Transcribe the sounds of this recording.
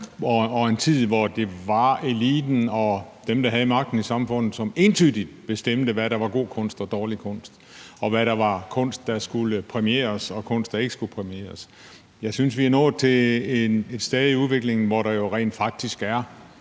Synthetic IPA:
ɒɒ̽e̝nt͡sʰið̰ˠʋɒd̥e̝ʋɑ̈e̝lḭːd̥n̩ɒ̽d̥emd̥ɑ̈ɦæð̞ˠmɑ̈ɡ̥̚d̥n̩isɑ̈mfɔ̽n̰ð̩ˠsɒ̽me̝ːnt͡sʰyðˠdid̥b̥e̝sd̥em̰d̥əʋæɾ̥ɑ̈ʋɑ̈ɡ̥o̝̰ːkʰɔ̽n̰sd̥ɒ̽d̥ɒːlikʰɔ̽n̰sd̥ | ɒ̽ʋæɾɑ̈ʋɑ̈kʰɔ̽n̰sd̥ːɑ̈sɡ̥uləpʰʁɛmiḛːɐsɒ̽kʰɔ̽n̰sd̥ɑ̈e̝ɡ̥ə̥sɡ̥ulpʰʁɛmie̝̰ːɐs | jɑ̈ɪsynsʋihænɔ̰ːð̩ˠt͡sʰe̝ene̝d̥sd̥ɛːð̞ˠiuðˠʋe̝ɡ̥le̝ŋn̩ʋɒɾɑ̈jo̝ʁɛ̰ːnd̥fɑ̈ɡ̥̚d̥isɡ̥æɐ

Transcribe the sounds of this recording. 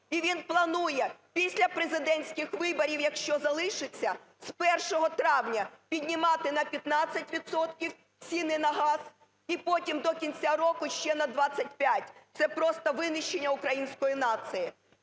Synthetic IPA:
iʋʲinplˠɐnujɛpʲisʲlʲɐpɾezɪd̪ɛnʲsʲkɪxʋɪbɔɾʲiwjɐkʃt͡ʃɔzɐlˠɪʃɪt͡sʲːɐ | spɛrʃɔɦɔt̪ɾɑwnʲɐpʲidʲnʲɪmɑt̪ɪnɐpʲjɐt̪nɑt͡sʲːɐtʲʋʲid̪sɔt̪kʲiw | t͡sʲinɪnɐɦɑz | ipɔtʲimd̪ɔkʲinʲt͡sʲaɾɔkʊʃt͡ʃɛnɐd̪ʋɑt͡sʲːɐt̚ʲpʲjatʲt̪sɛpɾɔst̪ɐʋɪnɪʃt͡ʃenʲːɐʊkɾɐjinʲsʲkɔjinɑt̪sɨjɪ

